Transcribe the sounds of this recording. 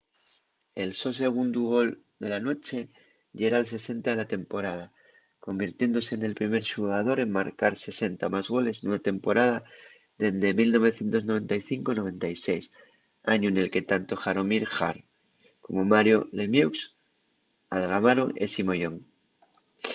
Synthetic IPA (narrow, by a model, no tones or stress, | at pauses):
e̞lso̞s̬e̞ɣ̞und̪uɣ̞o̞l | d̪e̞lano̞t͡ʃe̞ | ʎeɾaːlse̞se̞nt̪aðelat̪e̞mpo̞ɾað̞a | ko̞mbiɾt̪je̞nd̪o̞se̞ːne̞lpɾime̞ɾʃuɣað̞o̞ɾe̞mmːaɾkaɾse̞se̞nt̪amazɣo̞le̞snunat̪e̞mpo̞ɾað̞a | ðe̞nd̪emilno̞β̞e̞θje̞nt̪onoe̞nt̪ajθiŋko̞noβẽ̞nt̪ajsejs | aɲoene̞lke̞t̪ant̪o̞xaɾomiɾxa̰ɾ | ko̞momaɾjolemjewks | alɣamaɾoʔḛsimo̞jo̞ŋ